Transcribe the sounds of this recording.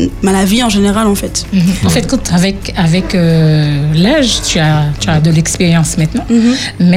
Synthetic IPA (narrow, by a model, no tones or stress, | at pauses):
malaviɑ̃ʒeneʁalɑ̃fɛt̪̩ɑ̃fɛt̪̚kɔ̃t̪avɛkavɛkø | laʒt̪yat̪yad̪əlɛkspeʁjɑ̃smɛ̃t̪nɑ̃mɛ